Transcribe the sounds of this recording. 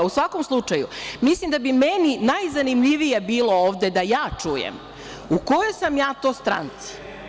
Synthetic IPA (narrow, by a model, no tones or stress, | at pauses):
usʋakomslˠut͡ʂajṵmislimd̪abimeninajzanimʎiʋijebiːlˠo̞oːʋd̪e̞d̪ajaːt͡ʂujḛm | uko̞jojsamjaːt̪o̞ːst̪ɾa̰nt̪si̥